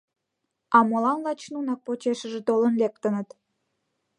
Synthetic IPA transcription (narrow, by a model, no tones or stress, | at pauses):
ɑmolɑnlɑt͡ɕnunɑk̚pot͡ɕeʃəʒĕt̪olə̆nlek̚t̪ə̆nət̪